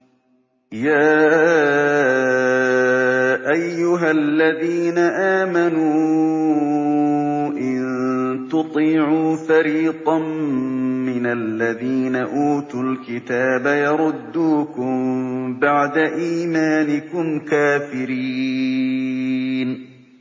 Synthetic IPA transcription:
jaː | ʔajːʊɦalːaðiːnaʔaːmanuː | ʔɪnt̪ʊt̪ˤiːʕuːfaɾiːt̪ˤɑm | mːɪnalːaðiːnaʔuːt̪ʊlkɪt̪aːbajɑɾˤʊd̪ːuːkʊmbaʕd̪aʔiːmaːnɪkʊmkaːfɪɾiː | n

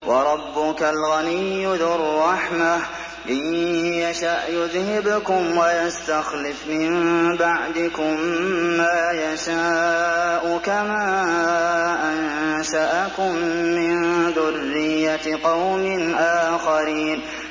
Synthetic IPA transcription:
wʔɑɾˤɑbːʊkalɣanɪjːʊðɪrˤːɑħma | ʔɪjjaʃaʔjʊðhɪbkʊmwajast̪axlɪfmɪnbaʕd̪ɪkʊmːaːjaʃaːʔʊkamaː | ʔanʃaʔakʊmːɪnðʊrːɪjːat̪qɑwmɪnʔaːxaɾiːn

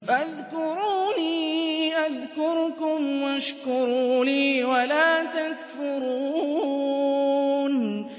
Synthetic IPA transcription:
fʔaaðkʊɾuːniːʔaðkʊɾkʊmwʔaʃkʊɾuːliːwalaːt̪akfʊɾuuː | n

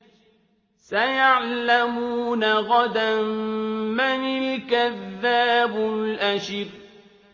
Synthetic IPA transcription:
sajaʕlamuːnaɣad̪ammanɪlkaðːaːbʊlʔaʃɪɾ

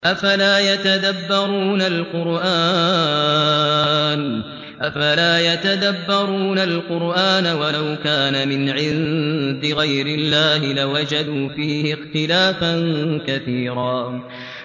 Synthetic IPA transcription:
ʔafalaːjat̪ad̪abːɑɾuːnalqʊɾʔaː | n | ʔafalaːjat̪ad̪abːɑɾˤuːnalqʊɾʔaːnawalawkaːnamɪnʕɪnd̪ɪɣajɾɪlːaːɦɪlawad͡ʒad̪uːfiːhɪxt̪ɪlaːfankaθiːɾaː

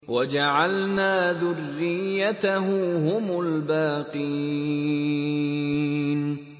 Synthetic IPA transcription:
wad͡ʒaʕalnaːðʊrːɪjːat̪aɦʊɦʊmʊlbaːqɨj | n

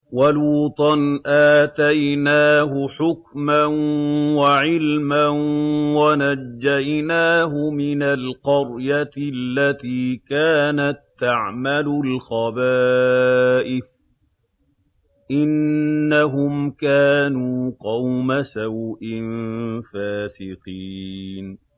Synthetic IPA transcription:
waluːt̪ˤɑnʔaːt̪ajnaːɦʊħʊkmanwaʕɪlmanwanad͡ʒːajnaːɦʊmɪnalqɑɾjat̪lːat̪iːkaːnat̪ːaʕmalʊlxɑbaː | ʔɪf | ʔɪnːaɦʊmkaːnuːqɑwmasawʔɪnfaːsɪqiːn

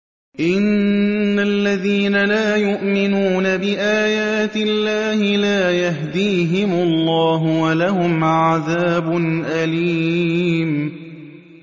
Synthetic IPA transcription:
ʔɪnːalːaðiːnalaːjʊʔmɪnuːnabɪʔaːjaːt̪ɪlːaːhɪlaːjaɦd̪iːɦɪmʊlˤːɑːɦʊwalaɦʊmʕaðaːbʊnʔaliːm

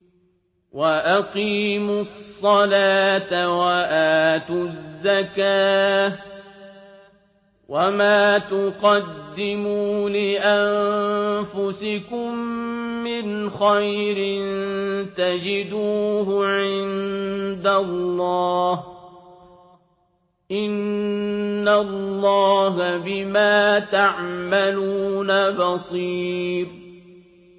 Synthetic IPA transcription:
waʔaqiːmʊsˤːɑlaːt̪awaʔaːt̪ʊzːakaː | wamaːt̪ʊqɑd̪ːɪmuːlɪʔamfʊsɪkʊmː | ɪnxajɾɪnt̪ad͡ʒɪd̪uːɦʊʕɪnd̪alːɑːh | ʔɪnː | alːɑːɦabɪmaːt̪aʕmaluːnabɑsˤiːɾ

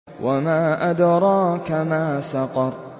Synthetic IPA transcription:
wamaːʔad̪ɾˤɑːkamaːsɑqɑɾˤ

